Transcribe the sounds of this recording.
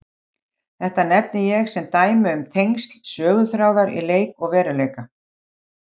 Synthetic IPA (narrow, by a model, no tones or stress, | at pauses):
θɛht̪anɛpnɪjɛɣsɛmt̪aːjmɪʏmt̪ʰejŋst̪lsœːɣʏθɾaːwðaɾḭleːjkɔɣvɛːɾʏlejka